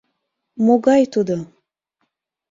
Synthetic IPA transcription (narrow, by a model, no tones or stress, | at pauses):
moɡajt̪ud̪ə